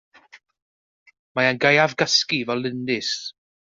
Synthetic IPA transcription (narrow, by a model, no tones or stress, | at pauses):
maanɡajavɡaskivɛlɪndɪs